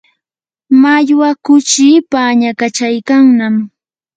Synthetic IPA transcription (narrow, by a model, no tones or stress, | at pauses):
maʎwakʊt͡ʃiːpaɲakat͡ʃajkaŋnam